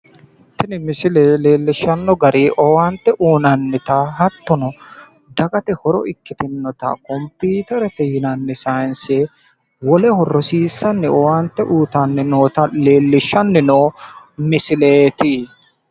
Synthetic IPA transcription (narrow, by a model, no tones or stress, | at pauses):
t̪ɪnɪmɪsɪleːleːlːɪʃːɐnːɔɡɐɾiːʔɔwant̪ːɛʔuːnɐnːɪt̪aɦɐt̪ːɔnɔ | d̪ɐkʼɐt̪ɛhɔɾɔ̰ʔɪkːɪt̪ɪnːɔt̪ɐ̰kɔmpiːt̪ɛɾɛt̪ɛjɪnɐnːɪsajnseː | wɔlɛhɔrːɔsiːsːɐnːɪɔwant̪ːɛʔuːt̪ɐnːɪnoːt̪ɐleːlːɪʃːɐnːɪnoː | mɪsɪleːt̪i